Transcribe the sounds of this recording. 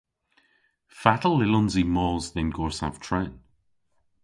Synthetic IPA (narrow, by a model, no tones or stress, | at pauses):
fatəl̩ˠːɪlɔnzimɔzðɛnɡɔːɹsã̰v̥tʰɹ̥an